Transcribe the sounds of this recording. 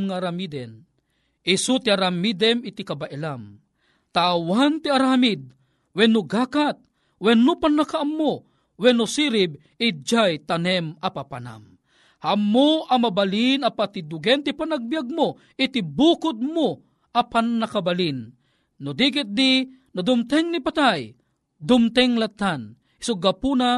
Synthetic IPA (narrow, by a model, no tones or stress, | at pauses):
ŋaɾamid̪ɛn | ʔisut̪iaɾamid̪ɛmit̪ikabaʔɛlam | t̪aːwant̪iaɾamid̪̚ | wɛnuɡaːkat̪̚ | wɛnːupanːakaʔːmːo | wɛnːusiɾib̚ | id͡ʒajt̪anɛmapapana̰m | hamːoʔamabalinapat̪id̪ʊɡɛnt̪ipanaɡ̚bijaɡ̚mo | ɪt̪ibukʊd̪̚mo | apanːakabalinː | ʊd̪ik̬ɪt̪̚d̪i | nad̪ʊmt̪ɛŋnipat̪aj | d̪ʊmt̪ɛŋlat̪ːan | i̥sʊɡapuna